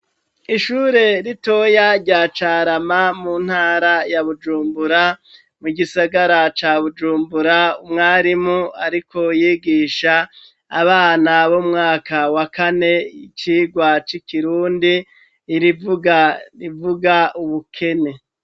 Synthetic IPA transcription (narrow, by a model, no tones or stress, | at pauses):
iʃuːɾe̞ɾito̞jaɾɟaːt͡ʃaːɾamamuːn̥haːɾajaβud͡ʒuːmbuɾa | muɡisaɡaɾat͡ʃaβud͡ʒuːmbuɾaumŋaːɾimuaɾikʰo̞jiːɡiːʃaː | βaːnaβomŋaːkawakane̞it͡ʃiːɡwat͡ʃikiɾuːndiː | ɾivuɡaivuɡauβukʰe̞ne̞